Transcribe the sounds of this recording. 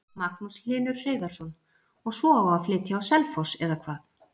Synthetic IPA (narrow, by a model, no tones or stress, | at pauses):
maknusl̥ɪːnʏɾ̥r̥eːjðaɾ̥sɔn | ɔɣsvɔawɣaaflɪːt̪jaawsɛlfɔsɛðakʰvaːθ